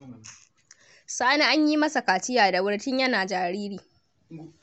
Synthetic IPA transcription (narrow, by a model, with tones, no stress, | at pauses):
saː˦na˦ʔa˦ɲji˦mɐ˦sa˨kaː˨t͡ʃɪ˦jaː˨da˨wʊ˦ɽtɪ˦ɲjɐ˦naː˨d͡ʒaː˨ɽiː˦ɾiː˨